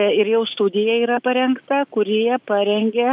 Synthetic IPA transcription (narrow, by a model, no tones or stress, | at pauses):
ɪɾjɛʊst̪ud̪ʲɪjɛiːɾɐpɐɾʲɛŋkt̪ɐkʊɾʲijɛpɑɾʲɛŋʲɡʲɛ